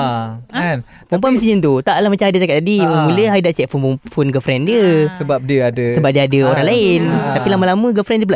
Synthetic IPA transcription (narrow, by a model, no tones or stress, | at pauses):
pɔmp̬aməsiɲənt̪ut̪aʔlahmat͡ʃamhadat͡ʃakat̪̚ːadiməmuləɦadaʔt͡ʃɛʔ̚funpufunɡəfɾɛndiəsəbap̚diəadəsəbap̚diəadəoɾaŋlaɪnt̪apilamalamə̃ɡəfɾɛndiəp̬la